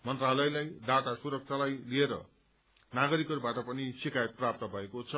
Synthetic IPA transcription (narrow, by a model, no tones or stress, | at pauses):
mʌnt̪ralʌjlajd̪at̪asuɾʌk̚t͡sʰalajlieɾʌ̰ | naɡʌɾikʌɾubaʈʌpʌnisikajʌt̪̚prap̚t̪ʌbʱʌekot͡sʰʌ